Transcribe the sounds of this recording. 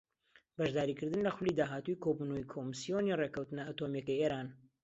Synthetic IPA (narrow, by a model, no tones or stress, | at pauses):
bɐʒd̪aːɾiːkɨɾd̪ɨnlɐxʊlid̪aːɦaːt̪ujkʰoːbunoikʰomɨsijonirekɐwt̪ɨnɐat̪omjɐkɐjeːɾaːn